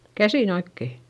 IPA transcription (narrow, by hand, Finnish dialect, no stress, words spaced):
kæsiˑn oikːe